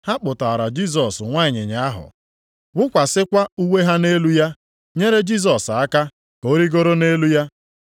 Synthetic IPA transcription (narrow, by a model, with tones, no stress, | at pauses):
ha˦k͡pʊ˨ta˨ɾa˨d͡ʒi˦˨s̬ɔ˨sŋʷa˦˨ɲɪ˨ɲa˨a˦ɦʊ̰˨ | wʊ˦kʷa˨sɪ˦kʷa˦u˦we˦ɦa˦ne˦lu˦ja˦ | ɲe˦ɾe˦d͡ʒi˦s̬ɔ˨sa˦ka˦ | ko˦ɾi˦ɡo˦ɾo˦ne˦lu˦ja˦